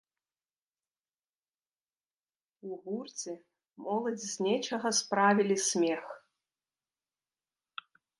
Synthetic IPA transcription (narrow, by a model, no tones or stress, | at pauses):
uɣurt͡sʲi | mɔlˠɐd͡zʲzʲnʲɛt͡ʃɐɣɐspɾavʲilʲisʲmʲɛx